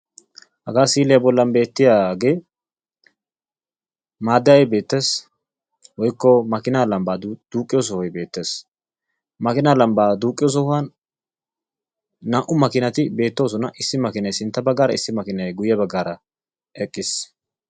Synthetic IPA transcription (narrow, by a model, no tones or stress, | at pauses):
hɐɡaːsiːlɪjɐbɔlːɐnbe̞ːt̪ːɪjaːɡe̞ː | maːd̪ːɐjɐjbe̞ːt̪ːeːs | wɔjɪkːɔmɐkɪnaːlɐmbaːd̪̥uːkʼːɪjos̬ɔhɔjbe̞ːt̪ːe̞ːs | mɐkɪnaːlɐmbaːd̪uːkʼːɪjos̬ɔhʊɐn | aːʔʊmɐkɪnɐt̪ɪbe̞ːt̪ːoːs̬ɔnɐʔɪsːɪmɐkɪnɐjsɪnt̪ːɐbɐɡːaːɾɐɪsːɪmɐkɪnɐjɡʊjːɛbɐɡːaːɾɐ | ɛkʼːɪs